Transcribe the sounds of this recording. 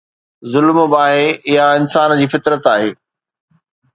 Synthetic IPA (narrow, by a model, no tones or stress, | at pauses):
zʊlmbaːɦeɪɦaɪnsaːnd͡ʑiːfɪt̪ɾət̪aːɦeː